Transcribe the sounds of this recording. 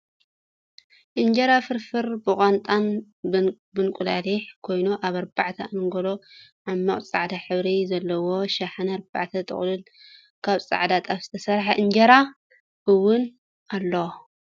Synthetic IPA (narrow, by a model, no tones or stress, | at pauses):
ʔɨnd͡ʒɐɾafɨɾfɨɾbɨkʼant̪ʼan | bɨnkʷʼula̰liħkʰo̞jnuʔaβɐɾbaʕt̪ʰɐamɨŋɡoloʕamːaχʼt͡sʼaʕd̪aħɨβɾizɐlːɐwo̞ʃaħanɐɾba̰ʕt̪ʰɐt̪ʼɨ̰χʼlɨn | kʰaβt͡sʼa̰ʕd̪at̪ʼaβz̥ɨt̪ʰɐsɐɾħaʔɨɲd͡ʒɐɾa | ʔɨwːʊn | alːo